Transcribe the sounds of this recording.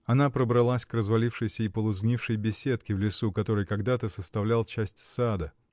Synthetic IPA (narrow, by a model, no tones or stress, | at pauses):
ɐnapɾəbɾɐlˠasʲkrəzvɐlʲifʂɨjsʲəipəlˠʊzɡnʲifʂɨjbʲɪsʲe̞t̪kʲɪvlʲɪsukɐt̪o̞ɾɨjkɐɡd̪at̪əsəst̪ɐvlʲalˠt͡ɕæsʲtʲsad̪ə